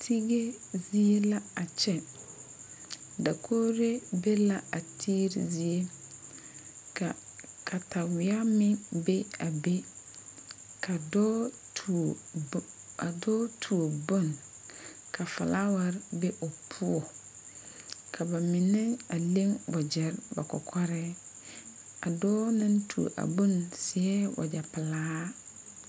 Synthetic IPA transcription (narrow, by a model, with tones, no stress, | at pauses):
tʰi˦ɡe˦zi˦e˦la˦a˨t͡ʃɛ˨ | da˨kʰo˦ɾe˦be˦la˦a˨tʰi˦ɾḭ˦zi˨e˦˨ | kʰa˨ta˨wɪ˨a˦mɪ˦ŋbe˦a˨be˦ | kʰa˨dɔ˦ | tʰ | a˨dɔː˦tʰu˨o˨bo˦n | kʰa˨fa̰˨lʔa˦wa˦ɾbe˦ʔo˨pʰu˦ɔ˨ | kʰa˨ba˨mɪ˨nɪ˦ŋa˨le˦ŋbɔ˨d͡ʒɛ˨˦ɾba̰˨kɔ̰˨kʰɔ˦ɾɛ˦ | a˨dɔː˦nɪ˦ntʰṵ˨ʔa̰˨bo˦nsɪ˨ɛ˦wa̰˨d͡ʒa˨pɪ˨laː˦